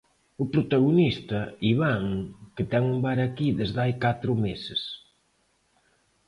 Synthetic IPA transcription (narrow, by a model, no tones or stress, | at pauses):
ʊpɾot̪aɣonist̪ɐiβaŋkɪt̪ɛŋumbaɾɐkiðezðajkat̪ɾʊmesɪs